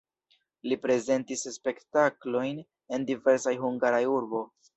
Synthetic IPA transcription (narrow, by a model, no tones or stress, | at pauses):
lipɾe̞ze̞ntisspe̞ktaklo̞jn | e̞ndive̞ɾsajhuŋɡaɾajuɾbo̞